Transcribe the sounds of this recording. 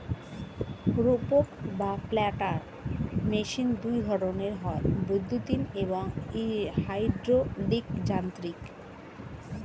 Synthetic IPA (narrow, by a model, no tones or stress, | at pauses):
ɾopokbaplɛʈaɾ | meʃind̪ujɡʱɔɾoneɾɦɔebud̪ʱːut̪ineβoŋihajɖɾoɖikd͡ʑant̪ɾik